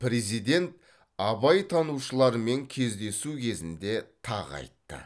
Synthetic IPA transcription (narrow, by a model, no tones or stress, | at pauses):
pɾe̞zijd̪e̞nt̪̚ | ɑbɑjt̪ʰɑnuʃəlˠɑɾme̞ŋkʲʰe̞zd̪e̞sukʲʰe̞zɪnd̪e̞t̪ʰɑ̰ʁɑ̰jt̪ːə̰